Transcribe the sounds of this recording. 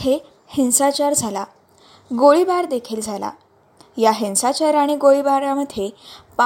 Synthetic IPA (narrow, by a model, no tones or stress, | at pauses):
he | hensat͡ɕaɾd͡zʱala | ɡoɭibaɾd̪ekʰeld͡zʱala̰ | jaɦẽnsat͡ɕaɾaɽ̃iɡoɭibaɾaməd̪ʱjepa